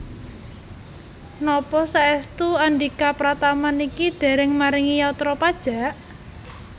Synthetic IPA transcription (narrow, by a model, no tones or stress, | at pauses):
nɔpɔsaɛst̪uaɳɖikapɾat̪amanikid̪̥e̤ɾɪŋmaɾɪŋijaut̪ɾɔpad̥ʒ̥a̤ʔ